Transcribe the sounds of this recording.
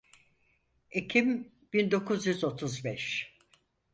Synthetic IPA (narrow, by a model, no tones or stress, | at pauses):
ecʰim | b̥ind̪o̞kʰuzjyzo̞t̪ʰuzbɛʃ